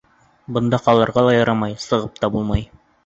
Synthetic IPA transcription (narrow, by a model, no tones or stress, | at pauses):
bɤ̆nd̪ɑqɑlˠɤ̆ɾʁɑlˠɑjɑɾɑmɑjsɤ̆ʁɤp̚t̪ɑbulˠmɑj